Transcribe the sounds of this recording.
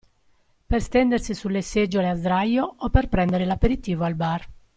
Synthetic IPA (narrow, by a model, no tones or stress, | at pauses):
perst̪ɛnd̪ersisulːesɛd͡ʒːoleazd̪ɾajoːpːerpɾɛnd̪eɾelapeɾit̪iːvoalbar